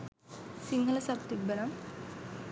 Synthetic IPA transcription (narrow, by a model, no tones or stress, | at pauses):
siŋɡɐlɐsɐbt̪ibɐɾɐm